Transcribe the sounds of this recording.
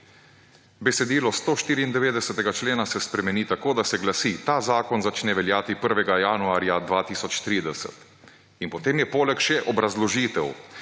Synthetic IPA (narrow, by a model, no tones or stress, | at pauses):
bɛsɛd̪iːlɔst̪oːʃt̪iːɾiːnd̪ɛʋeːd̪ɛsɛt̪ɛɡat͡ʃleːnasɛspɾɛmɛniːt̪akoːd̪asɛɡlasit̪aːzaːkɔnzat͡ʃnɛʋɛljaːt̪ipəɾʋɛɡajaːnuaːɾjad̪ʋaːt̪iːsɔt͡ʃt̪ɾiːd̪ɛsɛ̰t̪ | inpɔt̪eːmjɛpoːlɛkʃɛʔɔbɾazlɔʒiːt̪ɛw